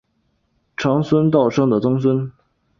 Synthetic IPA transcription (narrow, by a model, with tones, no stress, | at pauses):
ʈ͡ʂʰɑ˧˥ŋswə˥nt̪ɑ˥˩ʊʂɤ˥ŋd̪ə˨t͡sʊ˥ŋswə˥n